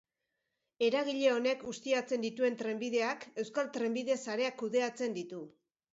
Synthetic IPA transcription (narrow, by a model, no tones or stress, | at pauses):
e̞ɾaɣ̞iʎe̞o̞ne̞kɡust̪iat͡se̞nd̪it̪ue̞nt̪ɾe̞mbiðe̞ake̞wskalt̪ɾe̞mbið̞esaɾe̞akːuðe̞at͡se̞nd̪it̪u